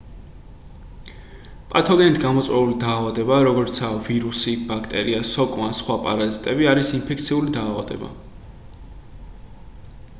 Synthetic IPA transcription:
pʼat̪ʰɔɡɛnit̪ʰɡamɔt̪sʼwɛulid̪aːvad̪ɛbaɾɔɡɔɾt̪sʰaviɾusib̥akʰt̪ʼɛɾiasɔkʼwansχwapʼa̰ɾazit̪ʼɛbiaɾisinpʰɛkʰt̪sʰiulid̪aːvad̪ɛ̰ba̰

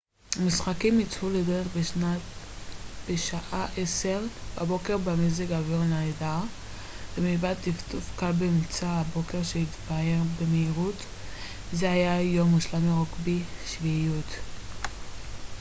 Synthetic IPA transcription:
amisχakimit͡sfuledeʁeχba | b̥eʃaʔaʔese̞ʁbabo̞ke̞ʁbameziɡaviʁnada | bemibadt̪iftufkalbemt͡saabo̞ke̞ʁʃehit̪bae̞ʁbemeiʁut | zeajajo̞muʃlamiʁokbiʃviijut̪

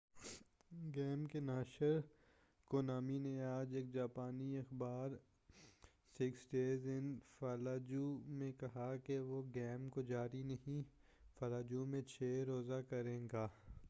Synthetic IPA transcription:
ɡɛːmkenaːʃəɾ | konaːmineaːd͡ʒeːk̚d͡ʒaːpaːniɐxbaːɾ | sɪksɖeːzɪnfaːlaːd͡ʒumẽkɐɦakeʋoɡɛːmkod͡ʒaːɾinɐɦĩ | faːlaːd͡ʒumẽt͡ʃʰeːɾoːzakɐɾẽːɡaː

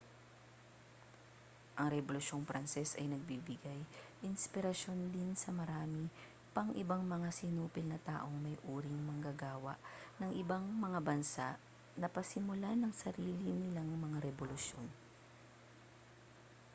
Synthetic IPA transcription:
ʔɐŋɾɛbolʊʃjo̞nfɾʔɐnsɛsɐjnɐɡ̚bibɪɡajʔɪnspɪɾɐʃjo̞nd̪ɪnsɐmɐɾaːmi | pɐŋʔɪbaŋmɐŋasɪnuːpɪlnɐt̪a̰ːʔo̞ŋmɐjʔuːɾiŋmɐŋɡɐɡaːwɐ̰ʔnɐŋʔɪbaŋmɐŋabɐnsaʔ | nɐpɐsɪmʊlanɐŋsɐɾiːlinɪlaŋmɐŋaɾɛbolʊsjo̞n

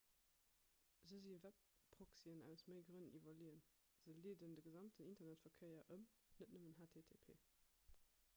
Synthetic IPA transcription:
zəzivæp̚ːʁ̥oksiənæ̰ʊsməɪɡʁənənʔivɐliən | z̥əliːdəndəɡəzɑmtʰənintɐnætfɐkʰɜɪɐʔəm | nətnəmənɦaːtʰeːtʰeːpʰḛː

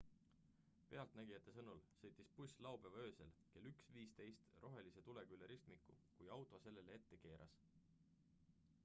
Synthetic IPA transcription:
pe̞ɑlt̪næɡ̥ijɑt̪ːˑe̞sɤnulsɤjt̪ːˑispusʲlɑwb̥e̞vø̞ːselke̞lːyksviːst̪e̞jst̪rʔo̞ɦe̞lise̞t̪ule̞kyleɾist̪mikːˑṵkujɑwt̪ˑo̞se̞lːe̞lee̞t̪ːe̞ke̞ːɾɑ̰s

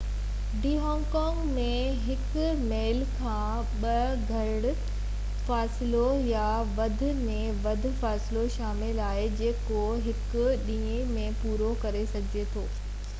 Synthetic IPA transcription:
ɖiːɦɔ̃ːŋɡkɔːŋɡmẽ | ɦɪkʊ | meːlkʰãː | ɓɐ | ɡʱɐ | ɽ | faːsɪloja | ʋɐd̪ʱʊ̆mẽʋɐd̪ʱʊ̆faːsɪloʃaːmɪlaːɦed͡ʑeːkoɦɪkʊɗĩːẽmẽpuːɾokɐɾesɐɡʱɪd͡ʑet̪ʰoː

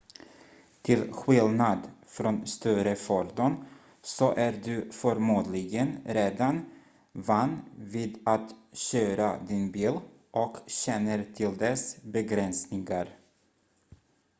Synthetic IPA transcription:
t̪ʰɪlɧɪlnad̪fɾonst̪œɾəfɔɾd̪ɔn | sɔʔæɾɖɵfœɾmuːd̪lɪɡənɾeːd̪an | vanːviːd̪at̪ɕøːɾad̪ɪnbiːl | ʔɔkɕɛnːəɾt̪ʰɪld̪ɛsbɛɡɾɛnsnɪŋaɾ

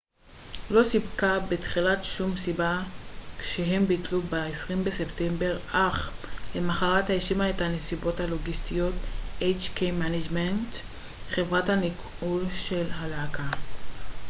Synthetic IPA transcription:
lo̞sibkabetχilatʃumsibakʃeɦe̞mbitlubeesʁimbese̞ptembe̞ʁaχlemaχaʁathajeʃimaetane̞sibo̞thaloɡistijo̞tʔejt͡ʃkejmanad͡ʒment | χe̞vʁathanik | ulʃe̞lɦalakʰa

